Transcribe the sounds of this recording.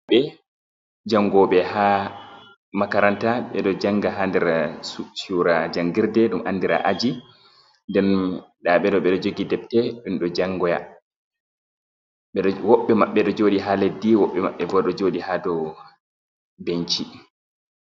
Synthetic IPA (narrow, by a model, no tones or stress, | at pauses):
ɓɛ | d͡ʒaŋːɡɔɓɛha | makaɾantaɓɛ̰ɗɔd͡ʒaŋːɡaɦaːndɛɾsusuɾad͡ʒaŋɡiɾdɛɗumʔanːdiɾa̰ʔad͡ʒi | ndɛnɗaɓɛɗɔɓɛɗɔd͡ʒoɡidɛp̚tɛɗumɗɔd͡ʒaŋɡɔja̰ | ɓɛɗwɔɓːɛmaɓːɛɗɔd͡ʒoːɗiɦaledːiwɔɓːɛma̰ɓːɛbɔɗɔd͡ʒoɗihadɔ | beɲt͡ʃi